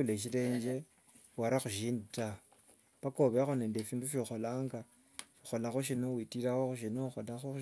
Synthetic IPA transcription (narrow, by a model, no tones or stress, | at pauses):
uleʃile̞ːɲd͡ʒe | waɾaxuʒiːndita | βakoβexoneːndefiːnduʃoxolaŋɡa | ʃoxolaxoʃ̬inowitiɾaxoxuʃinoxolaxo